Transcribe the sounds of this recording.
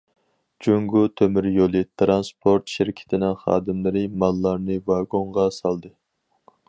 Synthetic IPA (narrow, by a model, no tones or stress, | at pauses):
d͡ʒuŋɡut̪ʰømyɾjolˠɨt̪ʰɾɑnspʰoɾt̪ʃɪɾkʲʰɪ̥t̪ʰɪnɪŋχɑ̰ːd̪ɨmlˠɪɾɨmɑlˠːɑɾnɨvɑɡoɴʁɑsɑlˠd̪ɨ